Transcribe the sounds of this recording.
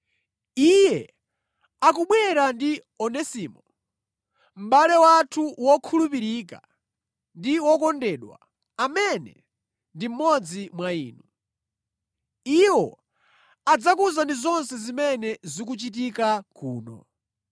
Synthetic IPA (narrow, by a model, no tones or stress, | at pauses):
ijɛ | akuɓwɛɾandi | ɔnɛsiːmɔ | m̩ɓalɛwatʰuwɔkʰulupiɾik̬a̰ | ndiwɔkɔndɛɗwa̰ | amɛnɛ̰ | ndim̩mɔd͡zimwaḭːnu | iwɔ̰ | ad͡zakuzandizɔnsɛzimɛnɛzik̬ut͡ʃit̬ikakuːnɔ̰